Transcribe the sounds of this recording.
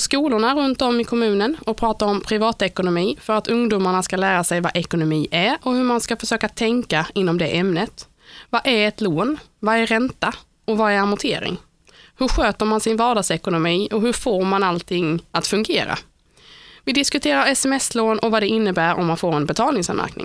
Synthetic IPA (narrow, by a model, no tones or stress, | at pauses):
skuːlʊɳaɾɵnt̪ɔmːɪkʰɔmʉ̟ːnənɔpʰɾɑːt̪aɾɔmpʰɾɪvɑːt̪ɛkʊnʊmiːfœɾat̪ʰɵŋd̪uːmaɳaskalæːɾasɛjvaʔɛkʊnʊmiːʔæɾɔhɵɾmanskafœʂøːkat̪ʰɛŋkaɪnːɔmd̪ɛʔɛmnət̪ | vaʔæɾɛt̪loːnvaæɾɛnt̪a | ɔvaɛɾamʊt̪ʰeːɾɪ̰ŋ | hɵɾɧøːt̪əɾmansɪnvɑːɖɑːɡsɛkʊnʊmiːɔɦɵɾfoːɾmanalt̪ʰɪŋːat̪fɵŋɡeːɾa̰ | vɪd̪ɪskɵt̪ʰeːɾaɾɛsɛmɛsloːnɔvad̪ɛɪnːəbæːɾɔ̰mːanfoːɾɛnbɛt̪ʰɑːlnɪŋsa̰nmæ̰ɾknɪ̰ŋ